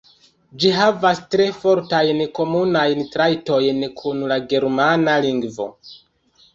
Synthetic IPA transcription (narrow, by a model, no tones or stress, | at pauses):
d͡ʒiɦavastɾe̞fo̞ɾtajnko̞munajntɾajto̞jnkʰunlaɡe̞ɾmanaliŋɡvo̞̰